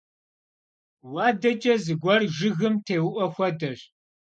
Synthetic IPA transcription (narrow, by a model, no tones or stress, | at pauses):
wɑːdɐd͡ʒʼɐzɨɡʷɔrʒɨɣɨmtʰeːwʊʔʷɔxʷɐdɐɕ